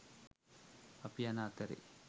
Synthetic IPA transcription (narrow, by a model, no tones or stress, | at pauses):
ɐpijɐnaːt̪ɐɾḭ